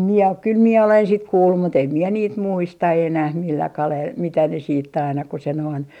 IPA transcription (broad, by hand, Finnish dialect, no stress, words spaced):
mie ok kyl mie olen sit kuːlːum mut em mie niːt muistɑ enæh milːæ kɑlel mitæ ne siːtː ɑinɑ ku se noin